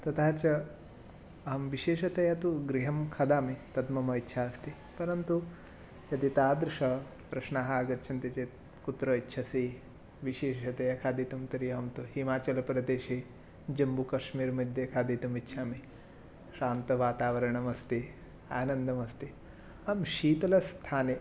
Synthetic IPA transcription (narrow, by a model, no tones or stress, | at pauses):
t̪ɐt̪ʰaːt͡ʃɐ | ɐɦɐmʋiʃeːʃɐt̪ɐjɐt̪uɡɾiɦɐmkʰɐd̪aːmit̪ɐd̪mɐmɐitːʃʰaːɐst̪i | pɐɾɐnt̪u | jɐt̪it̪aːd̪ɾuʃɐ | pɾɐʃɳaːɦɐaːɡɐtt͡ʃʰɐnt̪it͡ʃeːt̪ | kut̪ɾɐitːʃʰɐsi | ʋiʃeːʃɐt̪ɐjɐkʰaːd̪it̪umt̪ɐɾijɐɦɐmt̪uhimaːt͡ʃɐlɐpɾɐd̪eːʃi | d͡ʒɐmbukɐʃmiːɾmɐd̪ʱjɐkʰaːd̪iːt̪umitːʃʰaːmi | ʃaːnt̪ɐʋaːt̪aːʋɐɾɐɳɐmɐst̪i | aːnɐnd̪ʱɐmɐst̪i | ɐmʃiːt̪ɐlɐst̪ʰaːne